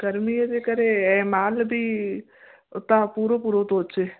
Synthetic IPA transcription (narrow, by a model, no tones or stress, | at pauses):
ɡɐɾmied̪ekəɾeɛːmaːlbʱi | ʊt̪apuːɾopuːɾot̪oːt͡ʃe